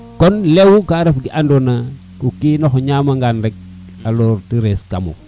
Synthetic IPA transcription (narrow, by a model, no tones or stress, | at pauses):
kɔnlewukaɾefɡiʔandona | kukinoxɲamaŋɡanɾɛk̚ | aloɾtiɾeskamo̰